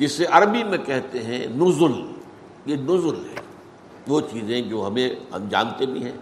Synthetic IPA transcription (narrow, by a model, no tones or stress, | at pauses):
d͡ʒɪseʔɐɾbimẽkɛɦt̪eɦɛ̰̃nʊzʊl | jenʊzʊlɦɛ̰ː | ʋoːt͡ʃiːzẽd͡ʒoːɦɐmẽhɐ̰md͡ʒa̰ːnt̪ebʱḭ̃ɦɛ̃ː